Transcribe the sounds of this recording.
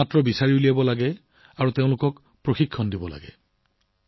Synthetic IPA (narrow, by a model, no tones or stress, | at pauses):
atɹɔbisaɹiulijabɔlaɡɛ | aɹuteʊ̃lʊkɔk | pɹoxikʰːɔndibɔla̰ɡɛ̰